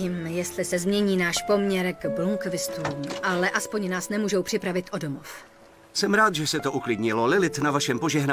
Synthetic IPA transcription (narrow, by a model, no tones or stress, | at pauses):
iːmjɛst̪lɪsɛzmɲɛɲiːnaːʃpo̞mɲɛɾkbluŋkvɪst̪uːmʔalɛʔaspo̞ɲnaːsnɛmuːʒowpr̥ɪpɾavɪt̪ʔo̞do̞mof | sɛmɾaːt̪ʒɛsɛt̪oʔuklɪdɲɪlolɪlɪt̪navaʃɛmpoʒɛɦnaː